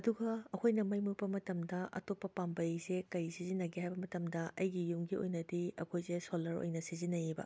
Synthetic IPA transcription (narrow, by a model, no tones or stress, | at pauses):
ɐduɡɐɐkʰojnɐmɐjmupɐmɐtɐmdɐʔɐ̰topːɐpambɐjsekɐɾisizinːɐɡihajbɐmɐtɐmdɐʔɐjɡijumɡio̰jnɐdiɐ̰kʰojsesolːɐɾo̰jnɐsizinːɐjibɐ̰